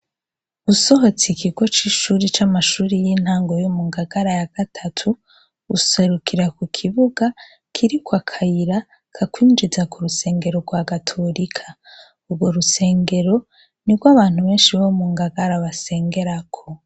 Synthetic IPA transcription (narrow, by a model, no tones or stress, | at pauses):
ɡuso̞ɦo̞t͡sikʰiɡo̞t͡ʃiʃuːɾit͡ʃamaʃuːɾijin̥haːŋɡo̞jomuŋɡaɡaɾajaɡ̥atʰatʰu | ɡuse̞ɾukʰiɾakukʰiβuɡa | kʰiɾikwakʰajiɾa | kʰakwiːnd͡ʒizakuɾuse̞ːŋɡe̞ɾo̞ɡwaɡatʰoɾikʰḁ | ubɡo̞ɾuse̞ːŋɡe̞ɾo̞ | niɡɡwaβaːn̥huβe̞ːnʃiβo̞muŋɡaɡaɾaβase̞ːŋɡe̞ɾakʰo̞